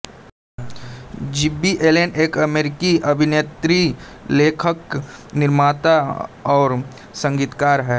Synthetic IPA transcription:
d͡ʒibiʔeːleːneːkɐmeːɾɪkiʔɐbʱɪneːt̪ɾi | leːkʰəknɪɾmaːt̪aɔːɾ | sə̃ŋɡiːt̪kaːɾɦɛː

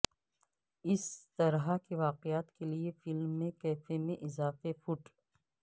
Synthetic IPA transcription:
ɪst̪ɐɾɦakeʋaːqɪjaːt̪keliefɪlmːẽkɛːfemẽʔɪzaːfefʊʈ

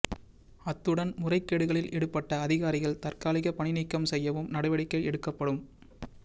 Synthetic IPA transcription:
ɐt̪ːɯɽɐnmʊrɐɪkːeːɽɯɣɐɭɪlʔɛɽɯpːɐʈːɐːðɪɣaːɾɪɣɐɭt̪ɐrkaːlɪɣɐpɐɳɪnɪkːɐmsɛjːɐʋɯmnɐɽɐʋɐɽɪkːɐɪɛɽɯkːɐpːɐɽɯm

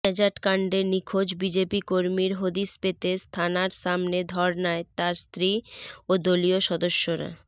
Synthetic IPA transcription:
ɛd͡ʑaʈkaɳɖenikʰod͡ʑbid͡ʑepikoɾmiɾɦod̪ispet̪est̪ʰanaɾʃamned̪ʱɔɾnaet̪aɾst̪ɾiod̪olioʃɔd̪oʃːoɾa̰

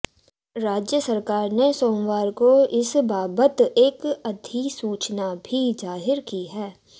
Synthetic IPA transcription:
ɾaːd͡ʒjəsəɾkaːɾnesoːmwaːɾkoɪsbaːbət̪eːkɐd̪ʱisuːt͡ʃnabʱizaːɦɪɾkiɦɛː

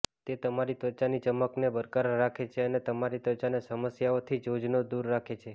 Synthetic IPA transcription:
t̪et̪əmaɾit̪ət͡ʃanit͡ʃəmːəknebəɾkaɾɾakʰet͡ʃʰeənet̪əmaɾit̪ət͡ʃanesəməsjaot̪ʰid͡ʒod͡ʒnod̪uɾːakʰet͡ʃʰe

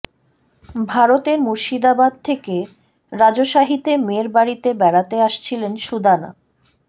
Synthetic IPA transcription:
bʱaɾot̪eɾmuɾʃid̪abad̪̚t̪ʰeke | ɾad͡ʑoʃaɦit̪emeɾbaɾit̪ebɛɽat̪eaʃt͡ɕʰilenʃud̪ʱana̰

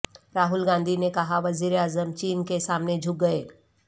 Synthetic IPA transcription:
ɾaːɦʊlɡãːnd̪ʱinekɐɦaʋɐziːɾeaːzəmt͡ʃiːnkesaːmned͡ʒʱʊk̚ɡɐeː

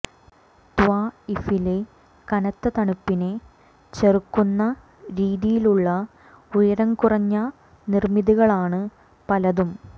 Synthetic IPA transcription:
t̪ʋaːifile̞ | kɐnɐt̪ːɐt̪ɐɳupːine̞ | t͡ɕerukːunːɐ | ɾiːðijiluɭːɐ | ujɐɾɐŋkurɐɲːɐ | nirmiðuɣɐɭaːɳɨ | pɐlɐðum

